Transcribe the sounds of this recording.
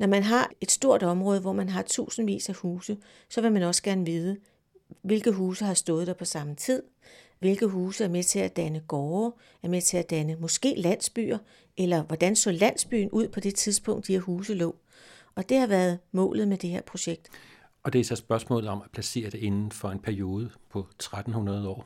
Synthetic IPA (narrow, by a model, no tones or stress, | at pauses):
nɒmænɦɑ̈e̝d̥sd̥o̝ɐ̰ɾ̥ɒ̽mʁɔ̽ːð̞ˠəʋɒmænɦɑ̈t͡sʰṵːsn̩ʋḭːsæhuːsə | sɒ̽ʋe̝mænɒ̽sə̥ɡ̥æɐnəʋiːð̞ˠə | ʋe̝lɡ̥ð̩ˠɦuːsəɦɑ̈sd̥ɔ̽ːð̞̩ˠd̥ɑpʰɒ̽sɑ̈mət͡sʰið̞̰ˠ | ʋe̝lɡ̥ð̩ˠɦuːsəæɐmet͡sʰe̝læd̥ænəɡ̥ɒː | æɐmet͡sʰe̝æd̥ænəmɒ̽sɡ̥e̝̰ːlæn̰sb̥y̰ːɐ | ʔelɐʋɒd̥ænsɔ̰̽ːlæn̰sb̥y̰ːn̩ʔuð̰ˠpʰɒ̽d̥e̝t͡sʰiðˠsb̥ɔ̽ŋ̰d̥ieɐɦuːsəlɔː | ʔɒ̽d̥e̝hɑ̈ʋæːɐðˠmɔ̰̽ːlð̩ˠmed̥e̝heɐ̰pʰʁo̝ɕeɡ̥̚d̥ | ɒ̽d̥e̝sɒsb̥ɶɐsmɔ̰̽ːlð̩ˠɒ̽mæpʰlæse̝̰ːɐd̥ee̝nn̩fɒ̽e̝npʰæɐio̝ːð̞ˠəpʰɒ̽t͡sʰʁad̥n̩hunɐðˠɒ̰ː